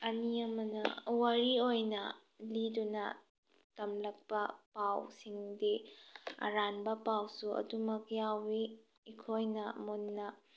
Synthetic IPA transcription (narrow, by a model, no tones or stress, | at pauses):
ɐniɐmɐnɐ̰wɐɾiojnɐ | lidunɐ̰ | tɐmlɐk̚pɐpawsiŋdiɐ̰ɾanbɐpawsuɐ̰dumɐkjawiː | kʰojnɐmunːɐ